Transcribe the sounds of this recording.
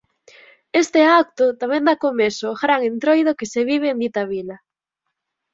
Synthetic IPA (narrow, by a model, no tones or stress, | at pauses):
est̪eak̚t̪ʊt̪amẽnd̪akomesoːxɾaŋent̪ɾojðokeseβiβ̞eːnd̪it̪aβilɐ